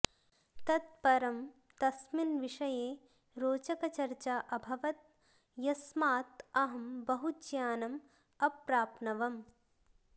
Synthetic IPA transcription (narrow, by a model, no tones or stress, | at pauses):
t̪ɐt̪̚pɐɾɐm | t̪ɐsminʋiʂɐjeː | ɾoːt͡ʃɐkɐt͡ʃɐɾt͡ʃaʔɐbʱɐʋɐt̪̚ | jɐsmaːt̪ɐɦɐmbɐɦut͡ʃjaːnɐm | ɐpɾaːpnɐʋɐm